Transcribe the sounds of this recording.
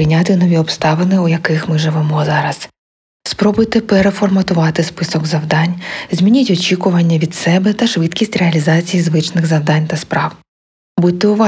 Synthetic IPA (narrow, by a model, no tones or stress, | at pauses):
ɪjnʲat̪ɪnɔʋʲiɔpst̪ɑʋɪnɪujɐkɪxmɪʒɪʋɛmɔzɑɾɐs | spɾɔbʊjt̪ɪpeɾefɔrmɐt̪ʊʋɑt̪ɪspɪsɔɡzɐwd̪ɑnʲzʲmʲinʲitʲɔt͡ʃʲikʊʋɐnʲːɐʋʲid̪sɛbɛt̪ɐʃʋɪd̪kʲisʲtʲreɐlʲizɑt͡sʲijizʋɪt͡ʃnɪɣzɐwd̪ɑnʲt̪ɐspɾɑw | but̚ʲt̪ːɛʊʋɑ